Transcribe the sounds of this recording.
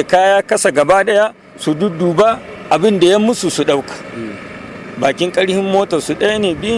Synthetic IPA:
e˨kaː˦jaː˦kɐ˦sa˨ɡɐ˨baː˦ɗɐ˦ja˦ | su˨dʊ˦duː˨ba˦ | ʔa˨bɪ˦nda˨ja˦mːʊ˦su˨su˨ɗa˦wkḁ˨ | baː˨kʲɪ˦ŋkʼɐ˦ɽhɪ˦mːoː˦tɔ˨su˨ɗɐ˦ja˦neː˨bɪ˦

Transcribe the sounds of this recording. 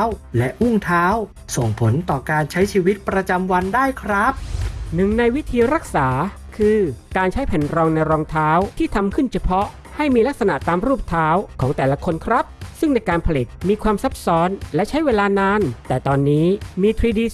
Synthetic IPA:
wlɛ˦˥ʔu˥˩ŋt̪ʰaː˦˥w | so˨˩ŋpʰo˩˦nt̪ɔː˨˩kaː˧nt͡ɕʰa˦˥jt͡ɕʰiː˧wi˦˥t̪̚pɾa˧t͡ɕa˧mwa˧ndaː˥˩jkʰɾa˦˥p̚nɯ˨˩ŋna˧jwi˦˥t̪ʰiː˧ɾa˦˥k̚saː˩˦ | kʰɯː˧kaː˧nt͡ɕʰa˦˥jpʰɛ˨˩nɾɔː˧ŋna˧jɾɔː˧ŋt̪ʰaː˦˥wt̪ʰiː˥˩t̪ʰa˧mkʰɯ˥˩nt͡ɕʰa˧pʰɔ˦˥ | ha˥˩jmiː˧la˦˥k̚sa˧na˨˩ʔt̪aː˧mɾuː˥˩p̚t̪ʰaː˦˥wkʰɔː˩˦ŋt̪ɛː˨˩la˦˥kʰo˧nkʰɾa˦˥p̚sɯ˥˩ŋna˧jkaː˧npʰa˧li˨˩t̪̚miː˧kʰwaː˧msa˦˥p̚sɔː˦˥nlɛ˦˥ʔt͡ɕʰa˦˥jweː˧laː˧naː˧nt̪ɛː˨˩t̪ɔː˧nːiː˦˥miː˧t̪ʰɾiː˧diː˧

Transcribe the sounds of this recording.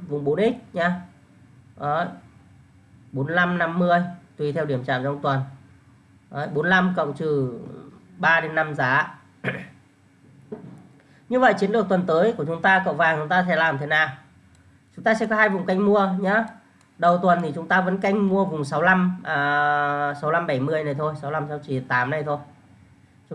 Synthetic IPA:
vʊ̰˧˨ŋ͡mɓo˨˦nʔi˦˥k̚ɲaː˧ | ʔə˨˦j | ɓo˨˦nla˧mna˧mːɨ˧əjt̪wi˧˩t̪ʰɛ˧wɗi˧˩əmt͡ɕa̰ː˧˨mt͡ɕɔ˧ŋ͡mt̪wə˨˩n | ʔə˨˦jɓo˨˦nla˧mkə̰˧˨wŋ͡mt͡ɕɨ˨˩ | ɓaː˧ɗe˨˦nːa˧mzaː˨˦ | ɲɨ˧və̰˧˨jt͡ɕi˨˦ənlɨ˨˩ək̚t̪wə˨˩nt̪əː˨˦jku˧˩ət͡ɕʊ˨˦ŋ͡mt̪aː˧kə̰˧˨wŋ͡mvaː˨˩t͡ɕʊ˨˦ŋ͡mt̪aː˧t̪ʰɛ˧˩laː˨˩mt̪ʰe˨˦naː˨˩w | t͡ɕʊ˨˦ŋ͡mt̪aː˧sɛ̰˧˥kɔ˨˦haː˧jvʊ̰˨˩ŋ͡mka˧jŋ̟mu˧əɲa˧˥ | ɗə˨˩wt̪wə˨˩nt̪ʰi˨˩t͡ɕʊ˨˦ŋ͡mt̪aː˧və̰˧˥nka˧jŋ̟mu˧əvʊ˨˩ŋ͡msa˨˦wla˧mʔəː˨˩sa˨˦wla˧mɓa˧˩jmɨ˧əjna˨˩jt̪ʰo˧jsa˨˦wla˧msa˧ŋ͡mt͡ɕi˧˩t̪aː˨˦mna˨˩jt̪ʰo˧j | t͡ɕ

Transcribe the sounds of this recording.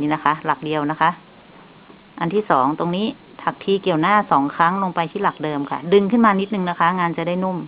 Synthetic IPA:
i˦˥na˦˥kʰa˦˥la˨˩k̚di˧əwna˦˥kʰa˦˥ʔ | ʔa˧nt̪ʰiː˥˩sɔː˩˦ŋt̪o˧ŋniː˦˥˩ | t̪ʰa˨˩k̚t̪ʰiː˧ki˨˩əwnaː˥˩sɔː˩˦ŋkʰa˦˥ŋlo˧ŋpa˧jt̪ʰiː˥˩la˨˩k̚dɤː˧mkʰa˥˩dɯ˧ŋkʰɯ˥˩nmaː˧ni˦˥t̪̚nɯ˨˧ŋna˦˥kʰa˦˥ŋaː˧nt͡ɕa˨˩daː˥˩jno˥˩m

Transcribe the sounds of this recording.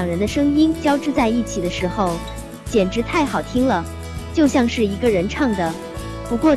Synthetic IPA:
ŋɻə˧˥nd̪ə˧ʂɤ˥ŋi˥nt͡ɕjɑ˥ʊʈ͡ʂɻ̩˥˧t͡sa˥˧ɪi˥˩t͡ɕʰi˨˩d̪ə˦ʂɻ̩˧˥xo˧ʊ | t͡ɕjɛ˨˩nʈ͡ʂɻ̩˧˥t̪ʰa˥˩ɪxɑ˨˩ʊt̪ʰi˥ŋlə˨ | t͡ɕjo˥˧ʊɕjɑ˥˧ŋʂɻ̩˥˩i˧˥ɡə˧ɻə˧˥nʈ͡ʂʰɑ˥˩ŋd̪ə˩ | pu˧˥kwɔ˥˩

